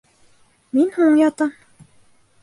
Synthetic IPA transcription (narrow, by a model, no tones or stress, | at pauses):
minhuɴɴjɑt̪ɤm